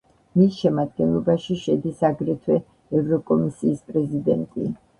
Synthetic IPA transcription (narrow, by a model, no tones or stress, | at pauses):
misʃɛmad̪̚ɡɛnlˠɔbaʃiʃɛd̪isaɡɾɛt̪ʰwɛ | ɛvɾɔkʼɔmisiːspʼɾɛzid̪ɛnt̪ʼḭ